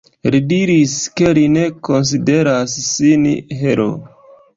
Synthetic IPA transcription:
lidiɾiske̞line̞ko̞ns̬ide̞ɾasːinɦeɾo̰

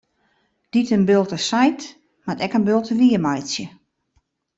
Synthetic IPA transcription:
d̥itənbɪlˠtəsajt | matɛkənbɪlˠtəʋiəmajsjə

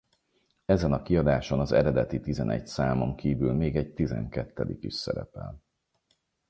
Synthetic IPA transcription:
ɛzɛnɒkiɒd̪aːʃonɒzɛ̰ɾɛd̪ɛt̪it̪izɛnɛɟsaːmo̞ŋkiːvylmeːɡɛɟ̚t̪izɛ̰ŋkɛt̪ːɛd̪ikiʃsɛ̰ɾɛ̰pɛ̰l

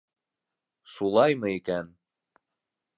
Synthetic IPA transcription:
sulˠɑjmɤikæn

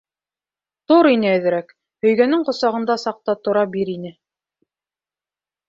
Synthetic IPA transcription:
t̪oɾinɘæðɘ̆ɾæk | hɵ̆jɡænɘŋqŏsɑʁɤ̆nd̪ɑsɑq̚t̪ɑt̪ŏɾɑbiɾinɘ

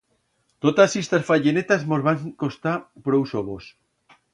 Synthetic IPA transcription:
t̪ot̪asist̪asfaʎenet̪azmozβaŋkost̪apɾowsoβos

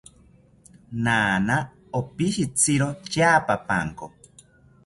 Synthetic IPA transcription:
naːna | opiʃit͡sʰiɾot͡ʃaːpapa̰ŋko̰

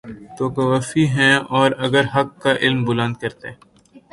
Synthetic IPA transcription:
t̪oːkɐʋaːfiɦɛ̃ɔːɾɐɡəɾɦɐkːaʔɪlmbʊlə̃nd̪̚kɐɾt̪ẽː

